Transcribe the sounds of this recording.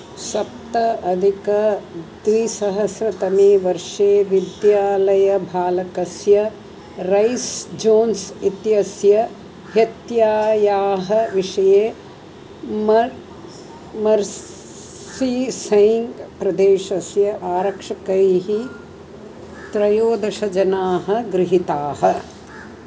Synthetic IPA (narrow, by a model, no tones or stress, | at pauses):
sɐp̚t̪ɐʔɐd̪ʱikɐd̪ʋisɐɦɐsɾɐt̪ɐmiʋɐɾʂeːʋid̪jaːlɐjɐbʱaːlɐkɐsjɐ | ɾɐjsd͡ʒoːnsit̪jɐsjɐ | ɦɐt̪jaːjaːɦɐʋiʂɐjeː | m | mɐɾ | iːsɐjiŋɡpɾɐd̪eːʃɐsjɐʔaːɾɐkʂɐkɐjɦi | t̪ɾɐjoːd̪ɐʃɐd͡ʒɐnaːɦɐ̆ɡɾɪɦit̪aːɦɐ